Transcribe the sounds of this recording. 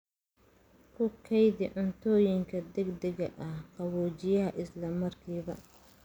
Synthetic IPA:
kʰʊkʰɐjðɪʕʊnt̪ʰɔːjɪŋkʰɐd̪ɛɡd̪ɛɣɐ̰ʔɐhqɑβɔːt͡ʃɪjɐɦɐʔɪslɐmɐrkʰiːβɐ

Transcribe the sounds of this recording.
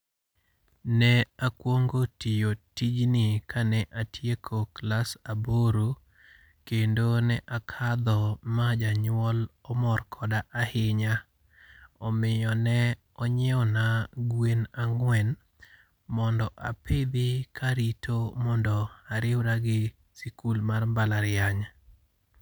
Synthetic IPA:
nɛakwoŋɡotijotid͡ʒnɪkanɛʔatjekʰoklasaboɾo | kendonɛʔakʰad̪ɔmad͡ʒaɲwɔlɔmɔrkʰɔdaʔahɪɲa | ɔmɪɔnɛ | ɔɲɛɔnaɡwenaŋwɛn | mɔndɔʔapʰɪd̪ɪkʰaɾitʰomɔndɔaɾɪwɾaɡɪ | sikulmarbalaɾɪaɲa

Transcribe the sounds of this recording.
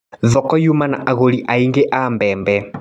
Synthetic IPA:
ðɔkɔjumana̰ʔaɣoɾiʔaiŋɡeʔambɛːmbɛ

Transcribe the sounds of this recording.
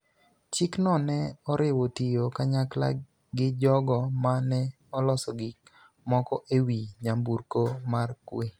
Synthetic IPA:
t͡ʃiknɔnɛɔɾɪwotijokaɲakla̰ | ɡɪd͡ʒɔɡɔmanɛ | ɔlɔsɔɡɪ | mɔkɔʔewiɲambuɾkomarkwe

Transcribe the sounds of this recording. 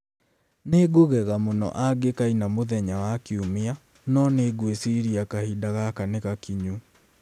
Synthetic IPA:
neɡoɣɛɣamonɔ̰ʔaɡekainamoðɛɲawakiumia | nɔneːɡwesiɾiakahidaɣakaneɣakiɲu

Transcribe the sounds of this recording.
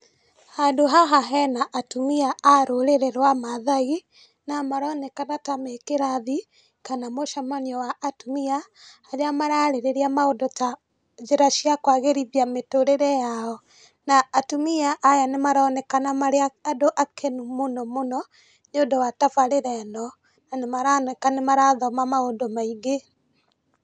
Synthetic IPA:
hadoɦaɦaɦɛnaʔːtumiaʔaɾoɾeɾɛɾwamaðai | namaɾɔnɛkanatamekeɾaði | kanamoʃamaniɔwaʔːtumiahaɾeamaɾaɾeɾeɾiamaodɔta | d͡ʒeɾaʃiakwaɣeɾiβiametoɾeɾɛjaɔ | naːtumiaʔːjanemaɾɔːnɛkanamaɾeaadoʔakʰenumonɔmonɔ | ɲodɔwatafaɾeɾɛnɔ | nanemaɾanɛkanemaɾaðɔmamaodɔmaiɡe

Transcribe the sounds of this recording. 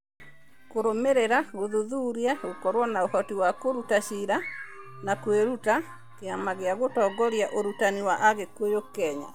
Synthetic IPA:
koɾomeɾeɾaɣoðuðuːɾjaɣokɔɾwɔnaohɔtiwakoɾutaʃiɾanakweɾuta | keamaɣeaɣotɔɡɔɾjaʔoɾutaniwaʔaɣekwojokːɛɲa̰

